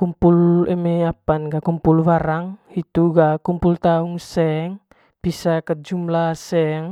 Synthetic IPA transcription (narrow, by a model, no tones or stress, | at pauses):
kumpulɛmɛapanɡakumpulwaɾaŋit̪uɡakumpult̪auŋsɛŋ | b̥isakəd͡ʒumlasɛŋ